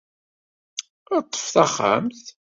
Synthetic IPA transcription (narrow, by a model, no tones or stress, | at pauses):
t̪ˤːə̥fθæχːa̰mθ